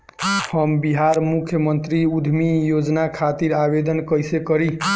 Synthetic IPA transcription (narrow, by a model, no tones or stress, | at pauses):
həmbiɦaɾmukʰjəmənt̪ɾiud̪ʱmijod͡ʒnakʰat̪iɾabed̪ənkəjsekəɾi